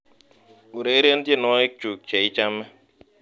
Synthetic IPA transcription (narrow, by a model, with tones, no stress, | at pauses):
u˨ɾe˨i˦ɾe˦n̩˦dje˦nɔ˦ɪ˦k̚t͡ʃu˨k̚t͡ʃe˨i˦t͡ʃa˦me˦